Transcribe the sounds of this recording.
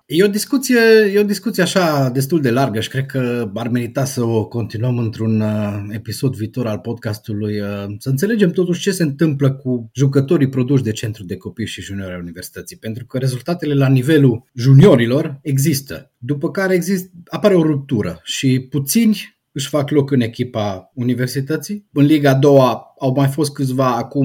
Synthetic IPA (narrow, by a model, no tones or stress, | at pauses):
jeod̪iskut̪sije̞jeod̪iskut̪sijeaʃad̪e̞s̬t̪uld̪e̞larɡəʃi̥kɾe̞d̪̚kəarme̞ɾit̪at̪səoko̞nt̪inuəmɨnt̪ɾunəe̞piso̞d̪viːt̪o̞ɾalpo̞d̪kast̪ulujəsəɨnt̪sele̞d͡ʒe̞mt̪o̞t̪uʃt͡ʃe̞se̞ɨnt̪ɨmpləkuʒukət̪o̞ɾipɾo̞d̪uʃ̬d̪e̞t͡ʃe̞nt̪ɾud̪e̞ko̞piʃiʒunio̞ɾeaunive̞rsi̥t̪ət̪sijpe̞nt̪ɾukəɾe̞zult̪at̪e̞le̞lanive̞luʒunio̞ɾilo̞re̞ɡzist̪ə̰d̪upəkaɾe̞ːɡzist̪apaɾeo̞ɾup̚t̪uɾə̰ʃiput̪sinʲ | ɨʃʲfaklo̞kɨne̞kʲipaunive̞rsit̪ət̪sijɨnliɡaːd̪o̞waawmajfo̞st̪̚kɨt̪sʲvaːkum